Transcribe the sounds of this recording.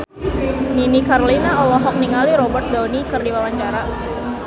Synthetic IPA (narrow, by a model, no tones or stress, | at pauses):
ninikaɾolinaɔlɔɦɔk̚niŋaliɾɔbərt̪̚d̪awnikɨrdiwawaɲt͡ʃaɾa